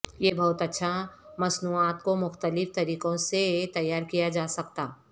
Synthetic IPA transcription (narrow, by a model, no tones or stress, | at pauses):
jebɐɦʊt̪ɐtːʃʰamɐsnuːaːt̪komʊxt̪əlɪft̪ɐɾiːqõset̪ɐjːaːɾkijad͡ʒaːsɐkt̪a̰ː